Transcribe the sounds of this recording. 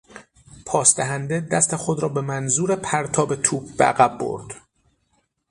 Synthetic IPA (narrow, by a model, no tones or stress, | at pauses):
pʰɒːsd̪æɦænd̪ed̪æst̪e̞xo̞d̪ɾɒːbe̞mænzuːɾe̞pʰæɾt̪ʰɒːbe̞t̪ʰuːb̚bḛʔæ̰ɣæbːo̰ɾd̪̥